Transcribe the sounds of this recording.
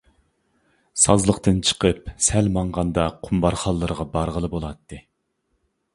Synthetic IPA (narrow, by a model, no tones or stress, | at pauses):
sɑzlˠəqt̪ɨnt͡ʃʰə̥qʰəpsɛlmɑɴʁɑnd̪ɑqʰumbɑɾχɑlˠːɨɾəʁɑbɑɾʁəlˠɨbolˠɑt̪ʰːɨ